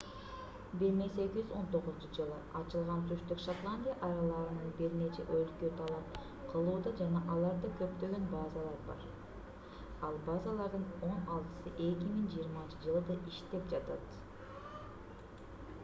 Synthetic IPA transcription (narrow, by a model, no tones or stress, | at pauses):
biɾnesekʲid͡ʒyzo̞nt̪o̞ʁʊznt͡ʃud͡ʒɯlˠɯɑt͡ʃɯlˠʁɑnt̪ʰyʃt̪ykʃat̪lˠanʲdʲijaʔɑjɾɑlˠɑɾɯnɯnbiɾne̞t͡ʃe̞̰ʔojlkøt̪ʰɑlˠɑp̚ | qʰɯlˠuːd̪ɑd͡ʒɑnɑʔɑlˠɑɾd̪ɯkʰø̞p̚t̪ø̞ɡø̞nbɑːzɑlˠɑɾbɑ̰ɾ | ɑlˠbɑzɑlˠɑɾd̪ɯno̞nɑlˠt̪ɯ̥sɯʔe̞kʲimiŋd͡ʒijːɾmɑnt͡ʃɯd͡ʒɯlˠɯd̪ɑʔiʃt̪e̞p̚d͡ʒɑt̪ɑt̪